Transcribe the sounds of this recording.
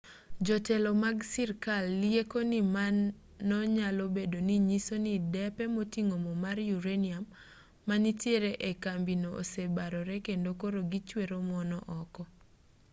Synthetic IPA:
d͡ʒɔtɛlɔmaɡsiɾkalːiekonimanː | ɔɲalobedoniɲisonidɛpɛmotiŋomɔmaɾjuɾeniamː | anitjeɾeʔekambinoʔo̰sebaɾɔɾɛkendokoɾoɡit͡ʃweɾomɔnɔʔɔkɔ

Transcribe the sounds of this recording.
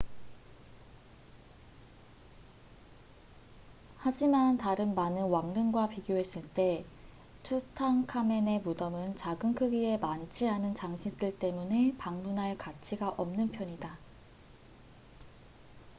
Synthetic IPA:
had͡ʑimantaɾɯnmanɯnwaŋnɯnɡwapiɡjoɦe̞s͈ɯɭt͈e̞ | t͡ɕʰutʰaŋkʰame̞ne̞mudʌmɯnt͡ɕaɡɯŋkʰɯɡie̞mant͡ɕʰiɦanɯnt͡ɕaŋɕʰit͈ɯɭt͈e̞mune̞paŋmunɦaɭkat͡ɕʰiɡaʔʌmnɯnpʰjʌɲida

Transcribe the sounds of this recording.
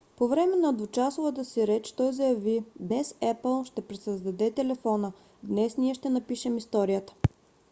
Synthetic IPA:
povɾɛmɛnɐd̪vʊt͡ʃasʊvət̪̬əsiɾɛt͡ʃt̪ɔzəjɐvid̪nɛsɛpəlˠʃt̪ɛpɾɛsəzd̪ɐd̪ɛt̪ɛlɛfɔnə | d̪nɛsniɛʃt̪ɛnɐpiʃɛmist̪ɔɾijət̪ə̥

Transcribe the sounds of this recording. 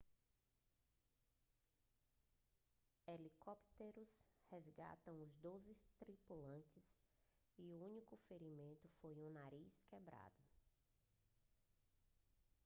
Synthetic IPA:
elikopt̪eɾʊshezɡa̰t̪ɐ̃w̃ʊzd̪ozɪst̪ɾipulɐ̃t͡ʃɪs | iuũnikʊfeɾimẽnt̪ʊfojũnaɾiskɛbɾa̰d̪ʊ

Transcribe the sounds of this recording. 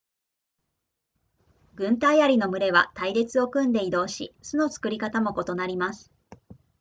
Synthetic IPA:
ɡɯ̟̃nt̪aiaɾʲino̞mɯ̟ɾe̞βa̰t̪aiɾe̞t͡sɨo̞kɯ̟̃nd̪e̞id̪o̞ːɕḭsɨno̞t͡sɨ̥kɯ̟ɾʲikat̪amo̞ko̞t̪o̞naɾʲimasɨ̥

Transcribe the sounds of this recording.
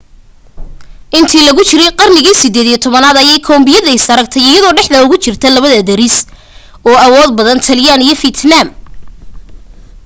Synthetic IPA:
ʔɪnt̪ʰiːlɐɣʊt͡ʃɪɾɛjqɑrnɪɣiːsɪd̪ɛːd̪ijɔt̪ʰɔβɐnaːðɐjɛjkʰɔːmbɪjɐðɛɪsɐɾɐk̚t̪ʰɛjɪjɐðɔːɖɛħd̪ɐʊɣʊt͡ʃɪrt̪ʰɐlɐβɐðɐd̪ɐɾɪs | ɔːɐwɔːd̪̚bɐðɐnt̪ʰɐljaːnijɞfit̪ʰnam

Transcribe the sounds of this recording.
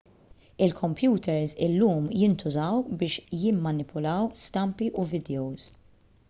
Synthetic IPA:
ɪlkʰɔmpjuːt̪ʰɛɾzɪlːuːmjɪnt̪ʰʊzɐwbɪːʃjɪmːɐnɪpʰʊlɐwst̪ɐmpiʔuvɪd̪ɛowz

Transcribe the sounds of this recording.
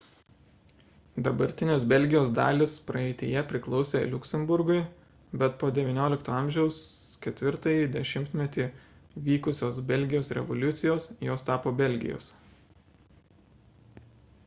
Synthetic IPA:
d̪ɐbɐɾʲt̪ʲɪnʲɪsbʲɛlʲɡʲɪjoːsd̪ɑ̰ːlʲɪspɾɐɛɪt̪ʲɪ̰jɛpʲɾʲɪklˠɒʊsʲeːlʲʊkʲsʲɛmbʊɾɡʊɪ | bʲɛt̪poːd̪ʲɛʋʲiːnʲoːlʲɪkt̪oːɑˑmʲʒʲɛʊskʲɛt̪ʲʋʲɪɾt̪ɐjid̪ʲɛʃʲɪmʲt̪ʲmʲɛt̪ʲiː | ʋʲiːkʊsʲoːsbʲɛlʲɡʲɪjoːsɾʲɛ̰ʋolʲʊt̪sʲɪjoːsjoːst̪ɑːpoːbʲɛlʲɡʲɪ̰jo̰ːs

